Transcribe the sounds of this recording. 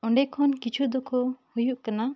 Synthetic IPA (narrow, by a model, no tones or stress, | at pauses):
ɔɳɖɛkʰɔnkit͡ʃʰud̪ɔkɔhujuʔkana